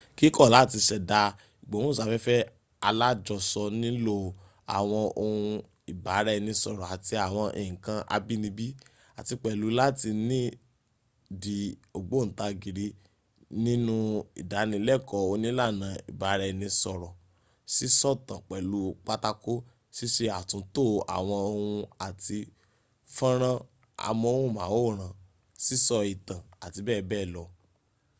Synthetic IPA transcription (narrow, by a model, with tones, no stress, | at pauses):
ki˦kɔ˦˨la˨˦˨ti˧ʃɛ˧da˧ | i˨ɡ͡bɔ̃˨˦ɔ̃˦˨sa˨˧fɛ˦fɛ˦ | a˧la˦d͡ʒɔ˧sɔ˧nĩ˦lo˦˧ | a̰˨w̃ɔ̃˧o˧hũ˧ | i˨ba˨˦ɾɛ˦˧nĩ˧sɔ˧˨ɾɔ˨a˨ti˧a˨w̃ɔ̃˧ʔḭ˧˨ĩ˨kã˧ʔa̰˧bi˦nĩ˧bi˦ | a̰˨ti˧k͡pɛ˨lu˨˧la˦ti˧nĩ˦ | di˨o˨ɡ͡bo˨˦n̩˨ta˧ɡi˨ɾi˧˦ | nĩ˦nũ˦ḭ˨da˨˦nĩ˧˦lɛ˦˨kɔ˨˦o˧˦nĩ˦la˦˨nã˨ḭ˨ba˨˧˦ɾɛ˧nĩ˧sɔ˨ɾɔ˨ | si˦sɔ˦tã˨k͡pɛ˨lu˨˦k͡pa˦ta˦ko˦ | si˦ʃe˧a˨tũ˨˧to˦˨a̰˨w̃ɔ̃˧o˧hũ˧a˨ti˧ | fã˦ɾ̃ã˦ | a̰˨mɔ̃˧o˧hũ˦˨mãː˨˦wo˦˨ɾ̃ã˨ | si˦sɔ˧i˨tã˨a˨ti˧bɛː˦˨˧bɛː˦˨lɔ˧